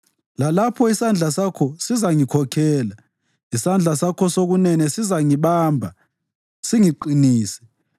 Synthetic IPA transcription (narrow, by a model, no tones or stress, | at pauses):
lalapʰɔisand͡ɮʱasakʰɔsizaŋikʰɔkʰɛːla | isand͡ɮʱasakʰɔsoɣunɛnɛsizaŋiβambʱa | siŋiǃiniːsɛ̥